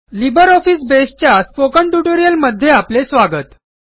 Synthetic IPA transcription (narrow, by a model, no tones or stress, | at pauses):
libəɾɔfiːs̬best͡ɕjasfokəɳʈuʈoɾijəlməd̪ʱːjeaplesʋaɡət̪